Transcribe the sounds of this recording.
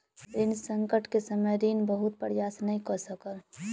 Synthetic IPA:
ɾɪnsəŋkəʈkesəməjd̪inbəɦut̪̚pɾəjasnəĩkɔsəkəl

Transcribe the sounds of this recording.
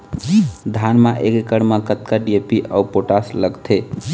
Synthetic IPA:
d̪ʱanmaʔekekəɽmakət̪̚kaɖiepiʔaupoʈasləɡt̪ʰe

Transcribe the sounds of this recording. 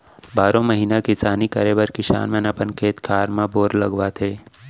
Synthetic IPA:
baːɾõməɦiːnakɪsaːnikɐɾebəɾkɪʃa̰ːnmẽnɐpənkʰeːt̪kʰaːɾmãboːɾlɐɡʋat̪ʰeː

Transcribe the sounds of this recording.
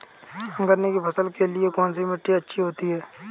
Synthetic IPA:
ɐ̃ŋɡəɾnekipʰɐsəlkelɪekɔːns̬imɪʈːiɐtːʃʰiɦoːt̪iɦɛː

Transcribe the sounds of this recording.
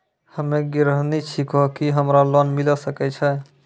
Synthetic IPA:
həmeɡiɾəɦnit͡ʃʰikɔkiɦəmɾalɔnmiləsəkɛt͡ʃʰɛ

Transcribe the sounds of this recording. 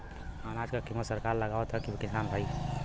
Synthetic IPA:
anaːd͡ʒkakimət̪səɾkaːɾləɡaʋət̪ʰɛkikɪsaːnbʱaːi

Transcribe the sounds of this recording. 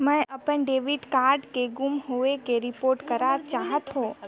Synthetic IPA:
mɛ̃ʔəpənɖeːʋɪɖkaːɾɖkeɡʊmɦoekeɾɪpoːɾʈkəɾaːɾt͡ʃaːɦət̪ɦõ

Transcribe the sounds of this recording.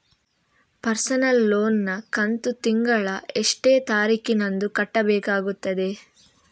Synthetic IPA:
pɐɾsɐnɐlːoːnːɐkɐnt̪ut̪iŋɡɐɭɐeʂʈeːt̪aːɾiːkinɐnd̪ukɐʈːɐbɛːkaːɡut̪ːɐd̪e̞

